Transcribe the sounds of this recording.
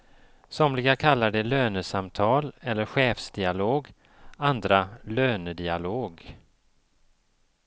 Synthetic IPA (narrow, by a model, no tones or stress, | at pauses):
sɔmlɪɡakʰalːaɖɛløːnəsamt̪ʰɑːlɛlːəɾɧeːfsd̪ɪaloːɡ | and̪ɾaløːnəd̪ɪaloːɡ